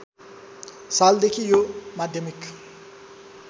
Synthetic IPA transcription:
sald̪ekʰijomad̪ʱjʌmik

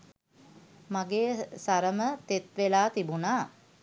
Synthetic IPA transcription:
maɡeːsaɾəmət̪et̪ʋelaːt̪ibunaː

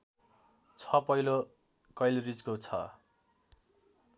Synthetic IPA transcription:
t͡sʰʌpʌjlo | kʌjlrid͡zkot͡sʰʌ̰

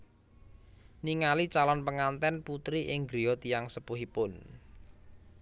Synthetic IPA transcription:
niŋalit͡ʃalɔnpəŋant̪ɛnput̪ɾiʔɪŋɡɾiot̪ijaŋsəpuɦipʊn

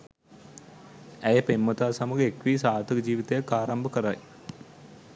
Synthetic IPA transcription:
æjəpemːət̪aːsamuɡəekʋiːsaːt̪əɡd͡ʒiːʋit̪ejakːaːɾambəkəɾaj

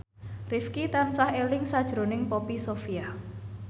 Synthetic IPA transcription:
rifkit̪ansahelɪŋsad̥ʒ̥ɾo̤nɪŋpopisofia

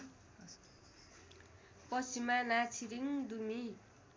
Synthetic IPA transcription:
pʌsimanat͡sʰiɾiŋd̪umi

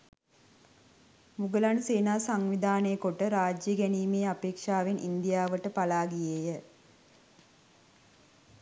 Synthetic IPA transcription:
muɡəlanseːnaːsaŋʋid̪ʱaːnejəkoʈəɾaːd͡ʒjəɡɛniːmeːapeːkʂaːʋenḭnd̪ijaːʋəʈəpalaːɡijejə

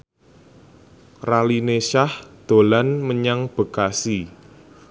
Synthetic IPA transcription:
ralineʃahd̪̥o̤lanməɲaŋb̥ə̤kasi

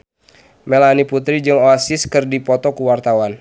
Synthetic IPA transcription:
mɛlaniput̪ɾid͡ʒɨŋoasiskɨrdipɔt̪ɔkuwart̪awan

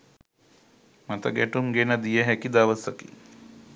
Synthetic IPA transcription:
mat̪ə̰ɡæʈumɡenəd̪ijəɦɛkid̪aʋəsəkḭ

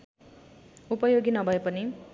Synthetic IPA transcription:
upʌjoɡinʌbʱʌepʌni

